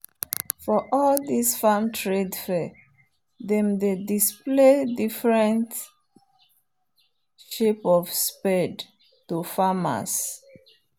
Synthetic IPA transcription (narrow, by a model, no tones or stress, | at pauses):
fɔʔɔld̪isfamtʰɹedfɛ | ðɛ̃mdedispledifɹɛ̃nt | ʃepɔvspɛd | tufama̰s